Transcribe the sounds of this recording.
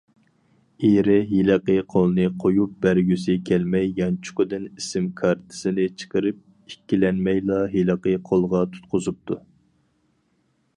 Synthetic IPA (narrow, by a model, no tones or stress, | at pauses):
eɾɪɦilɨqəqʰolˠnɨqʰojup̚bæɾɡʲysɪkʲʰɛlmɛjːɑnt͡ʃʰʊ̥qʊd̪ɪnisɪmkʰɑɾt̪ʰɪ̥sɪnɪt͡ʃʰə̥qəɾɪp̚ | ikʲːilɛnmɛjlˠɑɦilɨqəqʰolˠʁɑt̪ʰu̥t̪̚qʊzup̚t̪ʰu